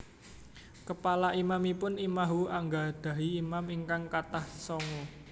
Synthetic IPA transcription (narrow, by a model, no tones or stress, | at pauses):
kəpalaʔimamipʊnimaɦuaŋɡad̪̥ä̤ɦiːmamiŋkaŋkat̪ahsɔŋɔ